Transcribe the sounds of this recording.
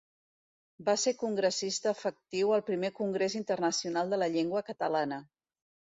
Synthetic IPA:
basekuŋɡɾəsist̪əːfək̚t̪iwəlˠpɾimekuŋɡɾezint̪ərnəsiunalˠd̪ələʎeŋɡwəkət̪əlanə

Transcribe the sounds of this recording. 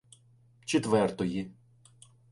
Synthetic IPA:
t͡ʃet̪ʋɛrt̪ɔji

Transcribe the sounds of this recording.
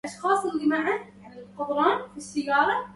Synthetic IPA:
ʔɑʃxɑːsˤɪlːimaʕa | anɪlqʊd̪ˤɾˤɑːnfisːajːɑːɾˤɑ

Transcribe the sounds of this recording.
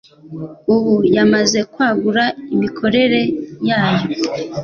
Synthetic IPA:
uhujamaze̞kwaːɡuɾaimikʰo̞ɾe̞ɾe̞jaːjo̞

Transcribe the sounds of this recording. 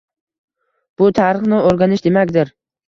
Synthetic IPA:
b̥ʊt̪ʰaɾɨχnɪoɾɡʲanɪʃd̪e̞makʲd̪ɪɾ

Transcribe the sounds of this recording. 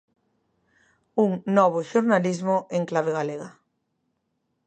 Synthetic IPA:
uŋnɔβ̞oʃoɾnalizmoeŋklaβ̞eɣaleɣa

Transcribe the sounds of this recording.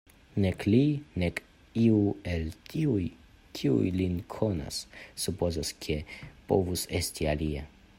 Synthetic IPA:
neklinek | iuelt̪ʰiuj | kʰiṵjlinkʰona̰sːupozoskʰepo̰vusest̪ialia

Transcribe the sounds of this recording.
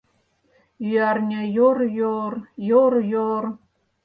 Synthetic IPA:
yɑrnʲajorjorjorjor

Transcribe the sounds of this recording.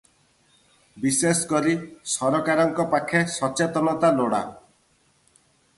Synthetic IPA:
biseskɔɾisɔɾɔkaɾɔŋkɔpakʰesɔt͡ʃet̪ɔnɔt̪aloɽa̰

